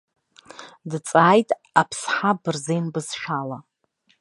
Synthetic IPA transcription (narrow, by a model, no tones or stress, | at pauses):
dt͡sʼaːjtʼ | apʰsħabɨrzejnbɨzʃᶣala